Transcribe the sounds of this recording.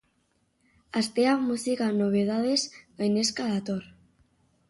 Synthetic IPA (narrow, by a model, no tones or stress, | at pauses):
ast̪eamusikanoβ̞eðaðesɡajneskaðat̪oɾ